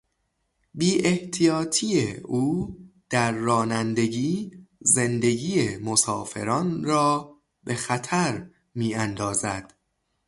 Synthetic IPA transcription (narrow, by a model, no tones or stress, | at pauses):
biːʔeht̪ʰijɒːt̪ʰiːjeuːd̪̥æɾːɒːnænd̪e̞ɡiːze̞nd̪e̞ɡiːjemo̞sɒ̰ːfe̞̰ɾɒːnɾɒː | be̞xæt̪ʰæɾ | miːænd̪ɒːzæd̪̥